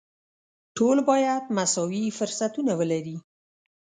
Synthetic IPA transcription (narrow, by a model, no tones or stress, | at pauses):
ʈʰolbɑjad̪masɑwifʊɾsat̪unawəlaɾi